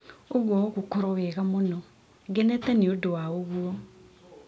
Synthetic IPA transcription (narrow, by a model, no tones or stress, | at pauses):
oɣwɔɣukɔɾoweɣamonɔ | ɡɛnɛtɛniodowaoɣwɔ